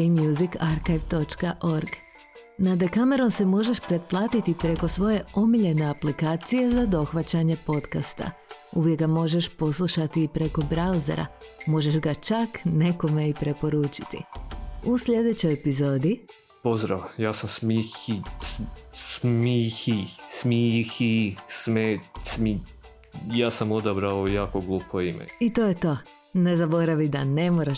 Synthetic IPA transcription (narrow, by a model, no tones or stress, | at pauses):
imjuzikaɾkeʋt̪o̞t͡ʃkaʔo̞ɾɡ | nad̪ekame̞ɾo̞nse̞mo̞ʒe̞ʃpɾe̞t̪̚plˠaːt̪it̪ipɾe̞ko̞sʋo̞je̞o̞miʎe̞ne̞aplikaːt̪sije̞zad̪o̞xʋat͡ɕaɲe̞po̞t̪kast̪a̰uʋjeɡɡamo̞ʒe̞ʃpo̞slˠuʃat̪iːpɾe̞ko̞bɾauzḛɾa̰mo̞ʒe̞ʒɡat͡ʃakne̞ko̞me̞ipɾe̞po̞ɾuːt͡ʃi̥t̪ḭuslʎʲe̞d̪et͡ɕo̞jepizo̞ːd̪i | po̞zd̪ɾaʋjaːsamsmixi | smihismixismesmi | jaːsamod̪abɾaoujaːkoɡlˠuːpʰoimḛit̪oːjet̪o̞ː | ne̞zabo̞ɾaʋid̪ane̞moɾaʃ